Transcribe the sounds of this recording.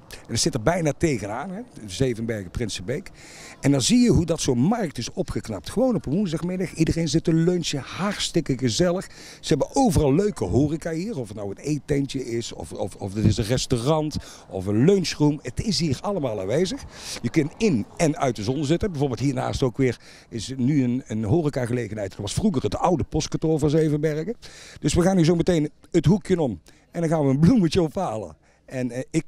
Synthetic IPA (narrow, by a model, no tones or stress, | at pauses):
ɛnətsɪtəɹbɛjnaːtejɣənaːnɦɛzejvənbɛɹɣəprɪnsəbejk | ɛndɑnzijəɦudɑtsownmɑɹk̚tɪsɔpχəknɑp̚tχəʋownɔpəʋunzdɑχmɪdɑχidərejnzɪtənløɥnsəhɑɹtstɪkəɣəzɛləχ | z̥əɦɛbənʔowvərɑlˠːøɥkəɦoːrikaːɦiːɹɔfətnawətejtɛnt͡ʃəʔɪsɔ̰fɔ̰fɔfdɪtɪsənrɛstorɑnt | ɔ̰fənløɥnsrumətɪsɦiːrɑləmaːlˠa̰ːnʋejzəxjəkɵntɪnɛnœ̰ɥt̚dəzɔnəzɪtəbɛjvoːɹbɪlˠtɦiːɹna̰ːstowkʋɪːɹ | ɪsnyənənɦoːrikaːɣəlejɣənɦɛjtntʋɑsfruɣərətʌwdəpɔstkɑtoːvɔɹzəejvəʋɛɹkəd̥ɵsʋəɣaːniːzowmətejn | ətɦukjənɔm | ɛndɑnɣaːnʋəːnblumət͡ʃəɔpaːlə̰ | ɛnɪk̚